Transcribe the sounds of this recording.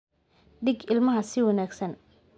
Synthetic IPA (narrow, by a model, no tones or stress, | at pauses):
ɖɪɡɪlmɐɦɐsɪwɑnaːɡsɐn